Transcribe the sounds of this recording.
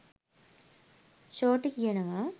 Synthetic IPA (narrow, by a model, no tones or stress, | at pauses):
ɕoːʈːɨkijɐɳɐmaː